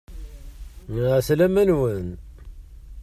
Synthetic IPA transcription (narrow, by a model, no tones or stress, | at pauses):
ʁslæmænwən